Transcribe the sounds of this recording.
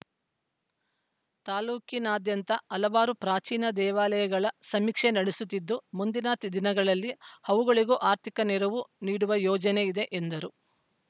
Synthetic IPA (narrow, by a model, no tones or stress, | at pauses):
t̪aːluːkinaːd̪jɐnt̪ɐɐlɐbaːɾupɾaːt͡ʃiːnɐd̪ɛːʋaːlɐjɐɡɐɭɐsɐmikʂenɐɽesut̪ːid̪ːumund̪inaːt̪id̪inɐɡɐɭɐlːihɐʋuɡɐɭiɡoʔaːɾt̪ʰikɐnɛɾɐʋuniːɽuʋɐjɔːd͡ʒɐne̞id̪e̞ʔend̪ɐɾu